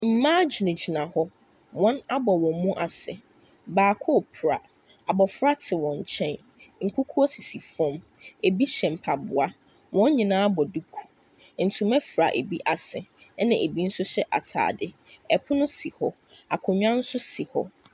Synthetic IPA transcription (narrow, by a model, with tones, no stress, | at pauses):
m̩˨mãː˦d͡ʑi˨nɪ̃˨d͡ʑi˨nã˨hɔ˦ | wɔ̃˦na˦bɔ˨wɔ̃˨m˦mũ˦ʔa˨sɛ˨ | baː˨kʰʊ˦˨pʰɾa̰˨ | a˨bɔ˨fɾa˦tʰɪ˨wɔ̃˨ɲ˨t͡ɕʰɛ̃˦n | ŋ̩˨kʰʷu˦kʰu˦ɔ˦si˨si˨fɔ̃˦˨m | e˨bi˦ɕɛ̃˨m̩˨pʰa˨bʊ˨a˦ | wʔɔ̃˦ɲ˦ɲĩ˨nãː˦a˦bɔ˨du˦kʰu̥˨ | n̩˨tʰʊ˨mɛ̃˦fɾa̰˨ʔe˨bi˦ʔa˨sɛ˨˦ | nɪ̃˨ʔe˨bi˦n̩˦sʊ˦ɕɛ˦ʔa̰˨tʰa̰ː˨dɪ˦˨ | ɛ˨pʰʊ˦nʊ̃˦si˨hɔ˦ | a˨kʰʊ̃˨ɲᶣ˦ã˦n̩˦sʊ˦si˨hɔ̰˦